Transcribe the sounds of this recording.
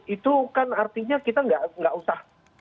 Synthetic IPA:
it̪ukanart̪iɲakit̪aŋɡaʔŋɡaʔusah

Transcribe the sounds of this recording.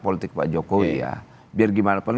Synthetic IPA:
polit̪ɪk̚pa̰d͡ʒokowija̰ | biarɡimanapən

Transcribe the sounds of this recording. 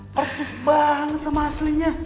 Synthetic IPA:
pərsɪsbaɦaŋsəmasliɲa

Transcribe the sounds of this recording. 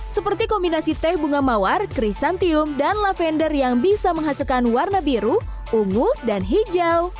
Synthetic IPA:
səpərt̪ikɔmbinasit̪ɛhbuŋamawarkɾisant̪iʊmdanlafɛndərjaŋbisaməŋɦasilkanwarnabiɾu | uŋudanɦid͡ʒaw

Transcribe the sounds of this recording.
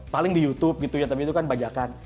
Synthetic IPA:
palɪŋdijut̪ʊp̚ɡit̪ujat̪apit̪ukanbad͡ʒakan

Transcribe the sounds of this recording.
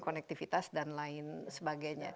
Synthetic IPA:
konɛk̚t̪ifit̪asdanlaɪnsəbaɡajɲa̰

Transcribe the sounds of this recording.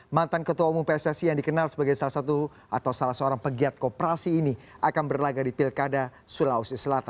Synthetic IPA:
mant̪ankət̪uamupɛsasijaŋdikənalsəbaɡajsalasat̪u | a̰t̪awsalasəoɾaŋpəɡiat̪̚kopəɾasiːniʔakanbərlaɡadipɪlkada | sulausisəlat̪an

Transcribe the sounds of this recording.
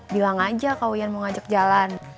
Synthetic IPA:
bilaŋad͡ʒakawjanməŋad͡ʒak̚d͡ʒalan

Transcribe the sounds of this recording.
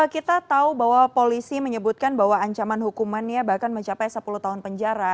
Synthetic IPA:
kit̪at̪aubaɦwapolisiməɲəbut̪̚kanbaɦwaːɲt͡ʃamanɦukumanjabahkanməɲt͡ʃapajsəpuluht̪aɦʊnpəɲd͡ʒaɾa

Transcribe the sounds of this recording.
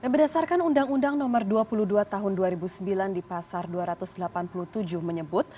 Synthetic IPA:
danbərdasarkanundaŋundaŋnɔmərduapuluduat̪aɦʊnduaɾibusəmbilandipasarduaɾat̪ʊsdəlapanpulut̪ud͡ʒʊhməɲəbʊt̪̚

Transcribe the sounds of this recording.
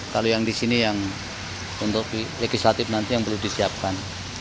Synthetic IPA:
kalojaŋdisinijaŋ | unt̪ʊkileɡislat̪ɪfnant̪ijaŋbəludisiap̚kan

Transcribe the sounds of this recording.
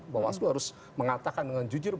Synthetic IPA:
bawa̰sluhaɾʊs | məŋat̪akandəŋand͡ʒud͡ʒʊrb

